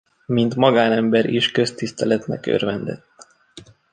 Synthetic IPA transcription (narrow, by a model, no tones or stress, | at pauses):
mint̪mɒɡaːnɛmbɛɾiʃkø̞st̪ist̪ɛlɛt̪nɛ̰kø̰rvɛnd̪ɛ̰t̪ː